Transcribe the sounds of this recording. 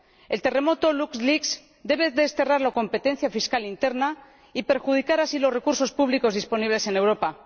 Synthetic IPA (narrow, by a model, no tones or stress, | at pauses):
e̞lt̪e̞re̞mo̞t̪o̞luksliks | d̪e̞βe̞ðest̪e̞raɾlako̞mpe̞t̪e̞n̟θjafiskalint̪e̞ɾna | ipe̞ɾxuð̞ikaɾasilosre̞kuɾso̞spuβliko̞zðispo̞niβ̞le̞se̞ne̞wɾo̞pa